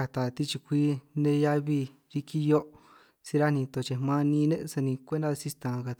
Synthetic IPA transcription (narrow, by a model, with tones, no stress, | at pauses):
a˧t̪a˨t̪i˦t͡ʃi˧kʷi˦nẽ˧˦ja˦βi˧ | ɾi˧ki˧jo˦ʔ | si˧ɾa˦nĩ˧t̪o˧˨t͡ʃe˧mã˧nĩ˧nẽ˦ʔsa˧nĩ˧kʷe˦nd̪a˧si˦t̪ã˨˧ka˧t̪